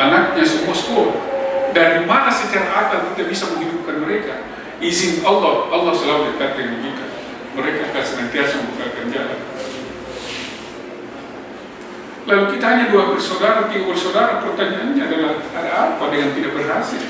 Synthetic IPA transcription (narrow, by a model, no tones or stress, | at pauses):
anak̚ɲasəmuaskɔldaɾimanasət͡ʃaɾaːt̪ant̪idaʔbisaməŋɦidup̚kanməɾɛka | izɪnɑlːɔhɑlːɑhsəlaudəkat̪̚dəŋankit̪a | məɾekaːkansənant̪iasaməbukakand͡ʒala̰n | lalukit̪aɦaɲaduabərsodaɾat̪iɡabərsodaɾapərt̪aɲaʔanɲaːdalahadaapadəŋant̪idaʔ̚bərɦasɪl